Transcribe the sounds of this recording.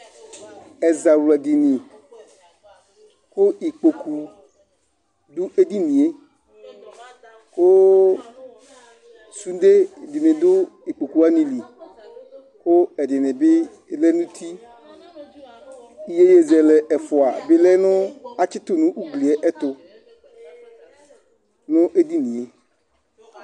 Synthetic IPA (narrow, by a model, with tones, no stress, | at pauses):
ɛ˨za˨wlɛ˨di˨nĩ˨ | kʊ˦i˨k͡po˨kʰu˨ | d̪ʊ˦ʔe˦di˦nĩ˨e˦ | kʊ˦ | su˦d̪e˦di˨nɪ̃˨d̪ʊ˦i˨k͡po˨ku˨˦a˦nĩ˨li˨ | kʊ˦ɛ˨dɪ˨nɪ̃˨bɪ˦ | lɛ˦nũ˦t̪ʰi˦ | i˦je˦je˦zɛ˨lɛ˨ʔɛ˨fʊ˨a˨bɪ˦lɛ˦nʊ̃˦a˦t͡ʃɪ˦t̪ʊ˨nʊ̃˦ʔu˦ɡli˨ɛ˦ʔɛ˦t̪ʊ˨ | nʊ̃˦ʔe˦d̪i˦nĩ˨e˨